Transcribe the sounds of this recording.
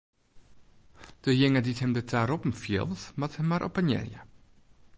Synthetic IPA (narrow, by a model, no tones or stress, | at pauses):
d̥əjɪŋədithɛmdətʰaɾɔpm̩fjɪ̰lˠsmathɛmːaɾʔɔ̰pənjɛ̰rjə̰